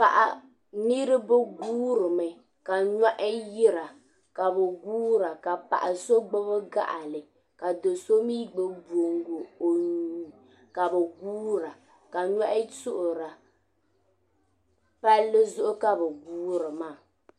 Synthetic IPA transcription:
pa˨ʔa˨ | ni˦ɾɨ˦bɛ˦ɡuː˦ɾɨ˨mɨ˨ | ka˨ɲa˦ʔɪ˦jɪ˦ɾa˨ | ka˨bɛ˨ɡuː˦ɾa˨ka˨pa̰˨ʔa˨so˦ɡ͡bɛ˦bɛ˦ɡa̰˦ʔa˨lɨ˨ | ka˨do˨so˦miː˦ɡ͡bɛ˦bu˨o˨ŋɡo˨o˨ɲu˨ | ka˨bɛ˨ɡuː˦ɾa˨ | ka˨ɲa˦ʔɪ˦sʊ˦ʔʊ˨ɾa˨ | pa˦lːɨ˦zʊ˦ʔʊ˦ka˦bɛ˨ɡuː˦ɾɨ˨maː˦˨

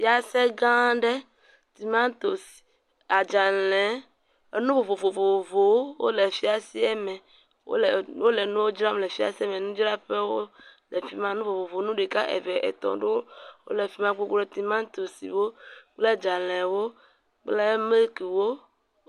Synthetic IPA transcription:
ja˦sɛ˦ɡã˦ɖɛ˦ | t̪i˨mã˦t̪o˨si̥˨ | a˨d͡ʒa˨lɛ̃˨˦˨ | nũ˦vo˨vo˨vo˨vo˨vo˨wo˦wo̰˦lɛ˨fi˦a˨si˦ɛ˦mɛ̃˨ | wo̰˦˨wo˦lɛ˨nũ˦wo˦d͡ʒɾa˦m˨lɛ˨fi˦a̰˨si˦ɛ˦mɛ̃˨nũ˦d͡ʒɾa˦ɸɛ˦wo˦lɛ˨fi˦mã˦nũ˦vo˨vo˨vo˨˦nũ˦ɖe˨ka˦ʔḛ˨vɛ˨ʔɛ̰˨t̪ɔ̰̃˨ɖo˦wo̰˦lɛ˨fi˦mã˦k͡po˦k͡pɾɔ˦t̪i˨mã˦t̪o˨sḭ˨wo˦k͡plɛ˦d͡ʒa˨lɛ̃˨wo˦ | k͡plɛ˦me˦lki˨wo˦

